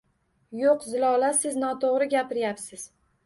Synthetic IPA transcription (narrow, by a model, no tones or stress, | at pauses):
joqzɪlˠɒlasɪznɒt̪ʰoʁɾɪɡʲapɪɾjapsɪz̥